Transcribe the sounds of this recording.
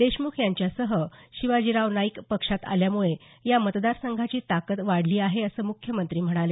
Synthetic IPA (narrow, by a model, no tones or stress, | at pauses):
d̪eɕmukʰjaɲt͡ɕjasəɦəɕiʋad͡ʑiɾaʋnaikpəkʂat̪a̰ljamuɭe | jamət̪d̪aɾsəŋɡʱat͡ɕiːt̪akət̪ʋaɽ̤liːaɦeəsəːmukʰjəmənt̪ɾiːm̤əɽ̃ale